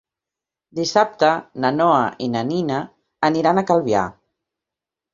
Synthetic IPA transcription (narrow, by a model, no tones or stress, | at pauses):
d̪isap̚t̪ənənɔəʔinaninəː | niɾanəkalˠβia̰